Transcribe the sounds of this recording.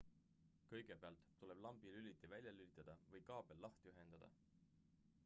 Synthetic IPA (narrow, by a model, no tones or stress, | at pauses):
kɤjɡ̥e̞peɑ̰lt̪ˑːule̞b̥lɑmb̥ilylʲit̪ːˑivælʲjɑlylʲit̪ːˑɑd̪̥ɑvɤjkɑːb̥e̞lːɑht̪yɦe̞nd̪̥ɑd̪̥ɑ̰